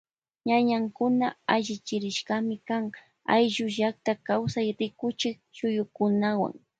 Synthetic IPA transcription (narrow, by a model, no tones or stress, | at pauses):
ɲaɲaŋkʊnaaʒɪt͡ʃɪɾɪʃkamɪkaŋ | a̰jʒʊʒak̚t̪akawsajɾɪkʊt͡ʃɪk̚t͡ʃʊjʊkʊnawa̰ŋ